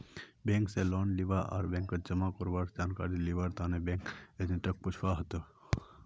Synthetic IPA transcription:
bẽːŋkselɔːnliʋaʔa̰ːɾbɛ̃ːŋkːəd͡ʒɐmakoɾbaɾd͡ʒaːnkaːɾiliʋaɾt̪ʰaːnebẽːŋked̪iʈək̚pʊt͡ʃʰwaɦət̪o

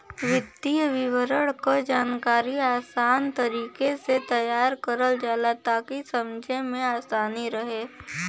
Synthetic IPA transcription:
ʋɪd̪iʋɪʋəɾəɽkod͡ʒaːnkaːɾiaːsaːnt̪əɾiːkeset̪ɐjaːɾkəɾəld͡ʒaːlat̪aːkisɐmd͡ʒʱemẽaːsaːniɾəɦeː

